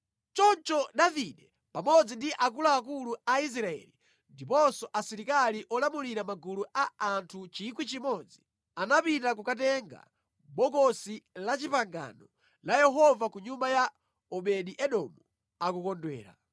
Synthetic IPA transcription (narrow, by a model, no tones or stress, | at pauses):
t͡ʃɔnt͡ʃɔɗaviɗɛ | pamɔd͡zindiʔakulaːkuluais̬ɾaɛ̰li | ndipɔnsɔʔasiɾikaliʔɔlamuliɾamaɡuluʔaantʰut͡ʃik̬wit͡ʃimɔd͡zi | anapitak̬ukatɛŋɡa̰ | ɓɔkɔsilat͡ʃipaŋɡa̰nɔ | lajɛɦɔvakuɲumbaja | ɔɓɛɗiʔɛɗɔmu | akukɔndwɛ̰ːɾa̰